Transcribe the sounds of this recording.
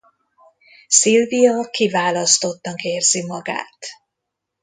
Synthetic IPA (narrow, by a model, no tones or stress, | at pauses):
silvijɒkivaːlɒst̪o̞t̪ːɒkeːrzimɒɡa̰ːt̪